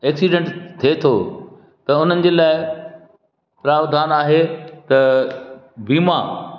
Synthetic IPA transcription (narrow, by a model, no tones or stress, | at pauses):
ɛːksiɖẽɳʈt̪ʰet̪ʰoː | t̪ɐʊn̤ənɪ̆d͡ʑeːlaːɪ | pɾaːbd̪ʱaːnaːɦet̪ɐ | biːma